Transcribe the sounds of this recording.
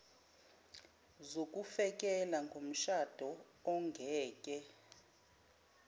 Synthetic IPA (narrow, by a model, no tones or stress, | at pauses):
zokʼufɛk̬ʼɛlaŋɡʱom̩ʃad̥ʱɔ | ɔŋɡʱɛːkʼɛ